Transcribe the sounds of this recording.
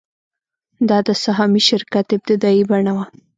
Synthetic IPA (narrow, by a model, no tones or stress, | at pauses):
d̪ɑd̪əsaɦɑmiʃɪɾkat̪ɪb̚t̪ɪd̪ɑibaɳawa